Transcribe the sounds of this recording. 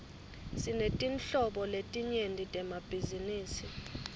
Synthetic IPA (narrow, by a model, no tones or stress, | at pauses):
sinetʼinɬɔɓɔletʼiɲendʱʼitʼɛmab̥ʱiziniːsi